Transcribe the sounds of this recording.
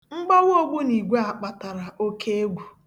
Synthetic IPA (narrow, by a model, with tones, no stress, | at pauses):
ŋ͡m̩˦ɡ͡bɔ˦wo˦ɡ͡bu˦ni˨ɡʷe˦a˨k͡pa˨ta˨ɾa˨ʔo˦kʰe˦e˦ɡʷu˨